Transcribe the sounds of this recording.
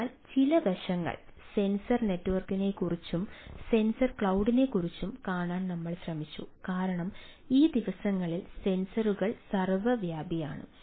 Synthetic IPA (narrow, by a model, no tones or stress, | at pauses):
lt͡ɕilɐʋɐʂɐŋːɐ̰ɭse̞nsɐrne̞tːuʋɐrkine̞kurit͡ɕːumse̞nsɐrkɭɐwɖine̞kurit͡ɕːumkaːɳaːnnɐmːɐɭɕrɐmit͡ɕːukaːɾɐɳɐm | iːd̪iʋɐsɐŋːɐɭilse̞nsɐruɣɐɭsɐrʋɐʋjaːbjɐja̰ːɳɨ̰